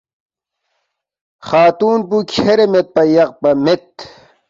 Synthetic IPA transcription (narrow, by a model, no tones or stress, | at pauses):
xaːt̪uːnpukʰeɾemet̪̚pɐjɐq̚pɐmet̪̚